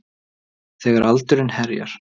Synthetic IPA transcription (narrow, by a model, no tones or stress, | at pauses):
θɛɣaɾʔalt̪ʏɾɪnhɛɾja̰ɾ̥